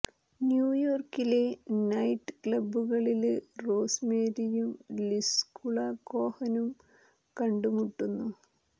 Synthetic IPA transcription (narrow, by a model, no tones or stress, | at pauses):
njuːjoːrkile̞nɐjʈːɨ̥kɭɐbuɣɐɭilro̞ːsmeːɾijumliskuɭɐko̞ːhɐnum | kɐɳɖumuʈːunːu